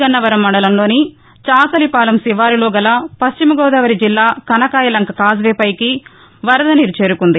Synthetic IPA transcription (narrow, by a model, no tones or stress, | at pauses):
ɡɐnːɐʋɐɾɐmːɐɳɖɐlɐmlo̞ːni | t͡ʃaːsɐlipaːlɐmsiʋaːɾiloːɡɐlɐpɐst͡ʃimɐɡɔːd̪ɐːʋɐɾid͡ʒilːaːkɐnɐkaːjɐlɐŋkɐkaːzʋɛːpɐjki | ʋɐɾɐd̪ɐniɾut͡ʃeːɾukund̪i